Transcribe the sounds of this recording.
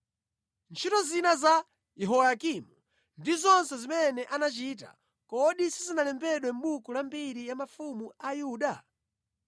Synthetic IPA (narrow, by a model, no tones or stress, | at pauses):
nt͡ʃʰitɔzinaza | jɛɦɔjakimu | ndizɔnsɛzimɛnɛʔanat͡ʃita̰ | kɔɗisizinalɛmbɛɗwɛm̩ɓukulambiɾijamafumuajuːɗa